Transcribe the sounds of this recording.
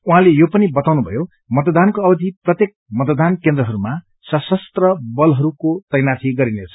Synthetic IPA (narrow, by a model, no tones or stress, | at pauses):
uɦãlejopʌnibʌt̪awnubʱʌ̰jo | mʌt̪ʌd̪ankoʌbʌd̪ʱiprʌt̪jek̚mʌt̪ʌd̪ankend̪rʌɦʌɾuma | sʌsʌst̪rʌbʌlɦʌɾukot̪ʌjnatʰiɡʌɾinet͡sʰʌ̥